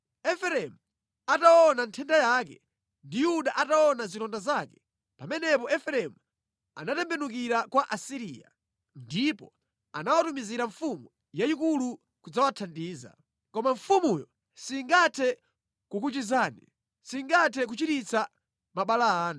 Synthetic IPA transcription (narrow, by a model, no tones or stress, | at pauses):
ɛfɛɾɛmu | atawɔnantʰɛndajakɛ̰ | ndijuɗaʔatawɔnazitɔndazakɛ̥ | pamɛnɛpɔɛfɛɾɛmu | a̰natɛmbɛnuk̬iɾakwaʔasiɾija̰ | ndipɔ | anawatumiziɾaɱfumu | jaikulu | kud͡zawatʰandiːza̰ | kɔmaɱfumujɔ | siŋɡatʰɛ | kukut͡ʃizaːnḭ | siŋɡatʰɛk̬ut͡ʃitit͡sa | maɓalaaːna